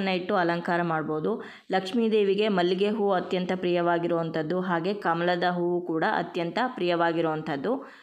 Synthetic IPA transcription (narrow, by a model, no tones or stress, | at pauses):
nːɐiʈːuɐlɐŋkaːɾɐmaːɖboːud̪u | lɐkʂmiːd̪eːʋiɡe̞mɐlːiɡeɦuːɐt̪jɐnt̪ɐpɾijɐʋaːɡiɾoːʋɐnt̪ʰɐd̪ːuɦaːɡe̞kɐmɐlɐd̪ɐɦuukuːɽɐʔɐ̰t̪jɐnt̪ɐpɾijɐʋaːɡiɾoʋɐnt̪ʰɐd̪ːu